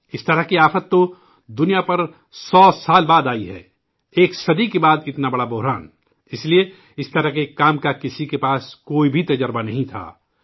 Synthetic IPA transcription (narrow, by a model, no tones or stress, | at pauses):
ɪst̪ɐɾəɦkiaːfət̪ːo | d̪ʊnijapɐɾ | sɔːsaːlbaːd̪aːiɦɛ̰ː | eːksɐd̪ikebaːd̪ɪt̪nabɐɽabʊɦɾaːn | ɪslie | ɪst̪ɐɾəɦkekaːmkakɪsikepaːskoːibʱit̪ɐd͡ʒəɾbanɐɦĩt̪ʰa̰ː